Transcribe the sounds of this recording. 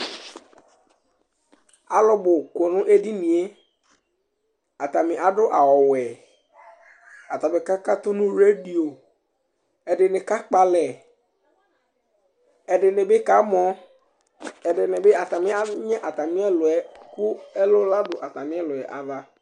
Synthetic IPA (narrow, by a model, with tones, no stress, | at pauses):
a˨lɔ˦bʊ˨ko˨nʊ̃˦ʔe˦di˦nĩ˨e˦ | a˨t̪a˨mɪ˨ʔa˨dʊ˦ʔa˨wɔ˨wɛ˨ | a˨t̪a˨bɪ˨ka˦ka˦t̪ʊ˦nʊ̃˦ɾe˦di˨o˨ | ɛ˨dɪ˨nɪ˨ka˦k͡pa˨lɛ˨ | ɛ˨dɪ˨nɪ˨bɪ˦ka˨˦mɔ˦ | ɛ˨dɪ˨nɪ˨bɪ˦a˨ta˨mɪ̃˦a˦ɲɛ̃˦ʔa˨ta˨mɪ̃˦ɛ˦lʊ˨ɛ˨kʊ˦ɛ˦lʊ˦la˦dʊ˨ʔa˨ta˨mɪ̃˦ɛ˦lʊ˨ɛ˨ʔa˨va˦